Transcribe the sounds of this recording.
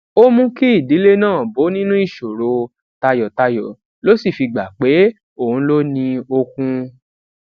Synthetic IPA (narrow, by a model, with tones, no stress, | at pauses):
o˦mũ˦ki˦i˦˨di˨˦le˦nãː˦˨bo˨˦nĩ˦nũ˦i˦˨ʃo˨ɾo˧ | ta˧jɔ˨ta˧jɔ˨ | lo˦si˦˨fi˧ɡ͡ba˨k͡pe˨˦ | o˦˨ũ˨˦lo˦nĩ˧o˧kũ˧